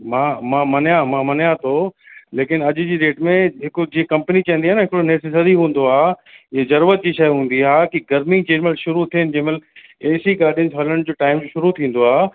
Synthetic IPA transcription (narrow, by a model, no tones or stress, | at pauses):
mãːmãːmɐnjamãmɐnjat̪ʰoː | leːkɪnɐʄʊ̆d͡ʑiːɾeːʈmẽɦɪkʊ̆d͡ʑiːẽkɐ̃mpnit͡ɕɐ̃ɦə̃nd̪iaːnɦɪkɽonesesɐɾiɦũːn̆d̪oaːɦezɐɾuːɾət̪̚d͡ʑiːʃɐjɦũːn̆d̪iaːkiɡɐɾmĩt͡ɕeːɾməlʃʊɾut̪ʰiɦənɪd͡ʑɐ̃ɦməleːsiɡaːɾɗɪʊnzɦɐləɽ̃d͡ʑoːʈaːɪmd͡ʑoʃʊɾut̪ʰĩːn̆d̪oaː